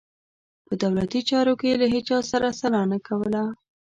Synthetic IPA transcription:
pəd̪awlat̪it͡ʃɑɾokelaɦet͡ʃɑsaɾasalɑnakawəla

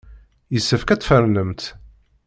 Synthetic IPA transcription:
jəsːəfkæt͡sːfəɾnəmt̪

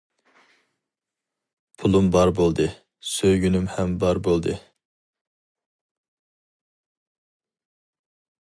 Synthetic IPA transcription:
pʰulˠumbɑɾbolˠd̪ɨ | søjɡʲynymhɛmbɑɾbolˠd̪ɨ

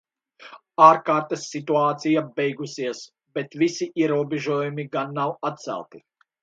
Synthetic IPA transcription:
aːɾkaːɾt̪ɐsːit̪uaːt̪sijabɛjɡusiɛs | bɛt̪visiʔiɛɾuɔbʲeʒuɔjumiɡanːawat̪̚t̪sæ̰lˠt̪i

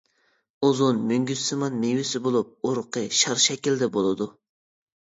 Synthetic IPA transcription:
ozunmyŋɡʲyst̪ɪmɑnmewɪsɪbolˠup̚oɾqʰəʃɑɾʃɛkʲild̪ɛbolˠɨd̪u

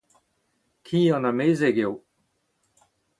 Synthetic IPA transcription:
kʰiːɑ̃nameːzeɡew

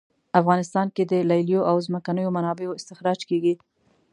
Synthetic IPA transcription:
afɣɑnɪst̪ɑnked̪əlajljoʔawzməkanəjomanɑbejoɪst̪ɪxɾɑd͡ʒkeɡi

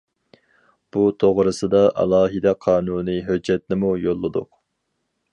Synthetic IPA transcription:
b̥ut̪ʰoʁɾɨsɨd̪ɑʔɑ̰lˠɑːɦɨd̪ɛqʰɑːnuːnɨɦød͡ʒːɛt̪̚nɪmujolˠːɨd̪ʊ̰q

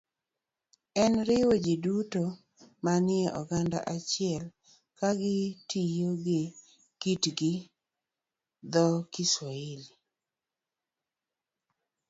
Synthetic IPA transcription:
ɛnɾɪwod͡ʒiduto | manɪɛʔɔɡanda̰ʔat͡ʃɪɛl | kaɡɪtijoɡɪ | kitɡɪ | d̪ɔkɪswaili

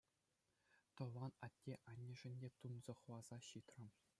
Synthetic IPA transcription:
t̪ɤ̆lɑnɑtʲːeʔɑnʲːɘ̆ʐɘ̆nʲdʲet̪unzɤ̆χɤ̆wɑz̥ɑɕit̪rɘ̆m

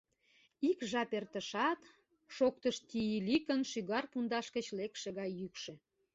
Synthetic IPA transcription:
ikʒɑpert̪əʃɑt̪ | ʃok̚t̪əʃt̪ijilikənʃyɣɑrpund̪ɑʃkə̆t͡ɕlekʃĕɣɑjːykʃĕ

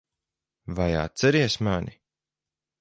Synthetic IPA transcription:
vaja̰ːt̪sɛɾiɛsmani

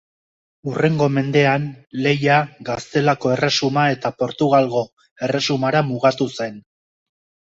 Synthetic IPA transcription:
ure̞ŋɡo̞me̞nd̪e̞anle̞jaɡast̪e̞lako̞e̞resumae̞t̪apo̞ɾt̪uɣalɣo̞ | e̞re̞sumaɾamuɣ̞at̪use̞n

